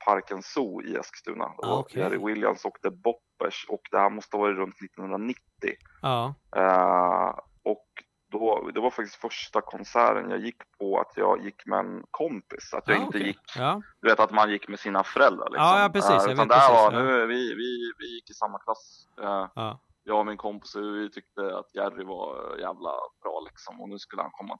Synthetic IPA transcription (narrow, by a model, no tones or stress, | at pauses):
pʰaɾkənsuːɪ̰ɛ̰skst̪ʉ̟ːna̰ɔjæɾɪwɪlja̰msoːkt̪əbɔpːɛʂɔkd̪ɛhæːɾmɔst̪əvɑːɾɪɾɵnt̪nɪt̪ːɔnhɵnɾanɪt̪ːɪ̰ | ɔk | d̪̥ɔd̪ɛvaɾfak̚t̪ɪ̥sk̪t̪fœʂʈakʰɔnsæ̰ːɾə̰njɑ̰ːɡjɪkːpʰɔa̰t̪ʰjɑ̰ːɡjɪkːmɛ̰ɛ̰nkʰɔmpɪsa̰t̪jɑːɡɪnt̪əjɪkːd̪ɵveːt̪at̪manjɪkːmɛsiːnafœɾɛld̪ɾa̰ɭʔɪ̰ksɔmʉt̪and̪ɛhæɾvanʉ̟ːvɪvɪvɪjɪkːɪsamːakʰlas | jɑːvaɾmɪnkʰɔmpɪ̥sɔvɪt̪ʰʏk̚t̪əa̰t̪jærɪvajæ̰ːvla̰b̥ɾɑ̰ːlɪksɔmɔnʉ̟ːskɵlːəhankʰɔmːa